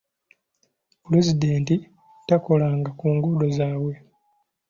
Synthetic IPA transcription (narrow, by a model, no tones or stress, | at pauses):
pule̞zideːnti | tako̞laːŋɡakuːŋɡudo̞zaːwwe̞